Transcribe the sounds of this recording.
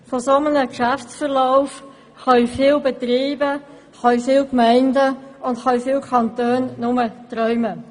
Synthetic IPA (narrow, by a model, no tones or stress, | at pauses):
fosomənəkʃæft͡sfəʁlaʊf | hɑifiːlbɛtɾiːbə | hɑifiːlkmɛɪndəʊndhɑifɪːlkʰɑntøːnnʊmətɾœʏmə